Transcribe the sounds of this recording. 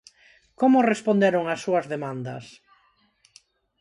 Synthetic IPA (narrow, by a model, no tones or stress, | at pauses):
komʊrespond̪eɾoŋasːuɐzðemãnd̪ɐ̰s